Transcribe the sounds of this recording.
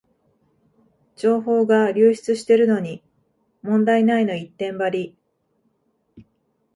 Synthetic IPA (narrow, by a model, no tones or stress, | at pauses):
d͡ʑo̞ːɦo̞ːɡaɾʲɨːɕi̥t͡sɨɕi̥t̪e̞ɾɯ̟no̞ɲ̟i | mõ̞nd̪ainaino̞it̪ːẽ̞mbaɾʲi